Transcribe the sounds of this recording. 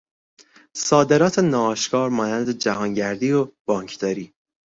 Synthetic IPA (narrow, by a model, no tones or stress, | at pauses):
sɒːd̪e̞ɾɒːt̪ʰenɒːʃkʰɒːɾmɒːnænd̪ed͡ʒæɦɒːŋɟæɾd̪iːob̥ɒːŋkʰd̪̥ɒːɾiː